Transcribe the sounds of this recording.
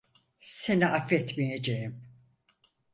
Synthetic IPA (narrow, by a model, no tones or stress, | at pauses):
seniʔafɛt̪mijed͡ʒejim